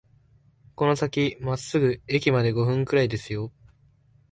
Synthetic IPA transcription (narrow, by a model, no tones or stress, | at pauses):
ko̞no̞sakʲimasːɨɡɯ̟ekʲimad̪e̞ɡo̞ɸɯ̟̃ŋkɯ̟ɾaid̪e̞sɨjo̞